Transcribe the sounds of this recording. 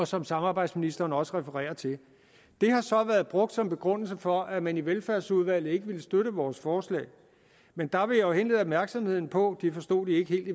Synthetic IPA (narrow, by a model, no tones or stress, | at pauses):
ɒ̽sɒ̽msɑ̈mɑ̈ːbɑ̈ɪd̥sminisd̥ɐːnɒ̽səʁɛfəʁɛ̰ːɐt͡sʰe̝ | d̥e̝hɑ̈sɒ̽ʋæɐð̩ˠb̥ʁɔ̽ɡ̥d̥sɒ̽mb̥e̝ɡ̥ʁɔ̽n̰l̩səfɒ̽ʔæmæniʋelfæɐsuð̞ˠʋæl̰ð̩ˠe̝ɡ̥əʋiləsd̥øɾəʋɒːsfɒːslɛ̰ːɪ | mend̥ɑ̈ʋe̝jɒʊɦe̝nle̝ðˠɒb̥̚mæɐɡ̥sɒ̽mhe̝ð̞̰ˠn̩pʰɒ̽d̥ifɒ̽sd̥o̝̰ːd̥ie̝ɡ̥əhe̝̰ːld̥i